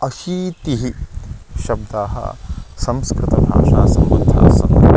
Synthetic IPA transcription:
ɐʃiːt̪iɦiʃɐb̚d̪aːɦɐ̰sɐmskɾɪt̪ɐbʱa̰ːʂaːsɐmbɐnd̪ʱa̰ːsɐm

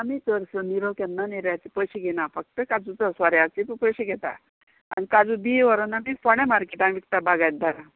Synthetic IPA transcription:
amit̪əɾsəniɾokɛnəneɾjat͡sipəɕiɡʱenafək̚t̪əkad͡zut͡səsʋaɾjat͡sippəɕiɡʱet̪a̰ | anikad͡zubiʋəɾonamifəɽ̃ẽmaɾkeʈaniʋik̚t̪abaɡajt̪̚d̪aɾa

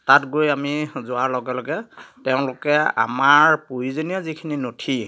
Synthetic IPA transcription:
tatɡojamizʊaɹlɔɡɛlɔɡɛtɛʊ̃lʊkɛa̰maɹpojizonijɔzikʰininotʰi

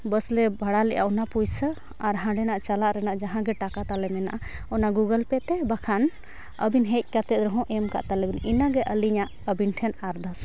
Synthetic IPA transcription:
bəslɛbʱaɽalɛʔa̰ʔɔnapujsə | aɾɦãɖɛnaʔt͡ʃalaʔɾɛnaʔd͡ʒaɦãɡɛʈakat̪alɛmɛna̰ʔa | ɔnaɡuɡəlpɛt̪ɛbakʰan | əbinɦɛc̚ˀkat̪ɛt̪̚ɾɔɦɔ̃ʔɛmka̰ʔt̪alɛbininaɡɛʔəliɲaʔ | əbinʈʰɛnaɾd̪as

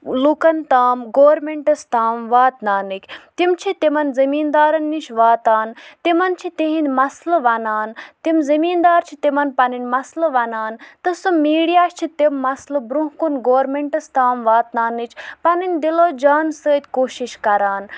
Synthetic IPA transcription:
lukɐnt̪aːmɡoːɾmeɳʈɐst̪aːmʋaːt̪naːnɨkʰʲt̪imt͡ʃʰit̪imɐnzɐmiːnd̪aːɾɐnːiʃʰʋaːt̪aːnt̪imɐnt͡ʃʰit̪iɦind̪ʲmɐslɨʋɐnaːnt̪imzɐmiːnd̪aːɾt͡ʃʰit̪imɐnpɐninʲmɐslɨʋɐnaːnt̪ɨsumiːɽijaːʃt͡ʃʰit̪imːɐslɨbɾuɦkunɡoːɾmeɳʈɐst̪aːmʋaːt̪naːnɨt͡ʃʰpɐninʲd̪iloːd͡ʒaːnsəːt̪ʲkoːʃiʃkɐɾaːn

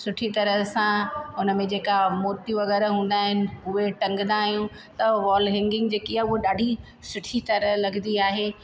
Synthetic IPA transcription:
sʊʈʰit̪ɐɾəsãʊnəmẽd͡ʑeːkamoːɾt̪jũʋɐɣɛːɾɦũːn̆d̪aːɦɪnɪ̆ʊɦeʈɐ̃ŋɡnd̪aːɦijũ | t̪ɐʋaːlɦɛ̃ŋɡɪ̃ŋɡd͡ʑeːkiaʊɦoɗaːɖʱi | sʊʈʰit̪ɐɾəlɐɡnd̪iaːɦeː

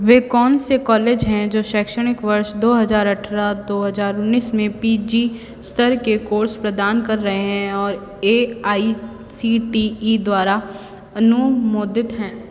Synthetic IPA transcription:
ʋeːkɔːnsekɔːleːd͡ʒɦɛ̃d͡ʒoːʃɛːkʃəɽ̃ɪkʋɐɾʃd̪oːɦɐzaːɾɐʈʰɾad̪oːɦɐzaːɾʊnːiːsmẽpiːd͡ʒi | st̪ʰəɾkekoːɾspɾɐd̪aːnkɐɾːɐɦeɦɛ̃ɔːɾ | eːaːi | siːʈiid̪waːɾa | ɐnʊmoːd̪ɪt̪ɦɛ̃ː

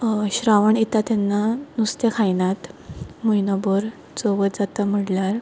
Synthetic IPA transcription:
ɕɾaʋəɳit̪at̪anːanust̪ekʰajnat̪mujnɔbəɾ | t͡soʋət̪d͡zat̪am̤əɽlaɾ

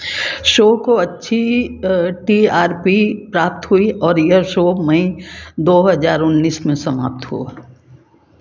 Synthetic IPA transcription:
ʃoːkoɐtːʃʰi | ʈiːaːɾpipɾaːp̚t̪ɦuiɔːɾjɐʃoːmɐĩd̪oːɦɐzaːɾʊnːiːsmẽsɐma̰ːp̚t̪ɦṵa

